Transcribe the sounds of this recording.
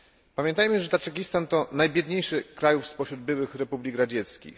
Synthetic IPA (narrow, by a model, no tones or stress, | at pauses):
pamʲjɛnt̪ajmɘʐɛt̪at͡ʂɛkʲist̪ant̪ɔnajbʲjɛd̪ɲejʂɘkɾajufspɔɕɾud̪̚bɘwɘxɾɛpublʲiɡɾad͡ʑɛt̪skʲḭx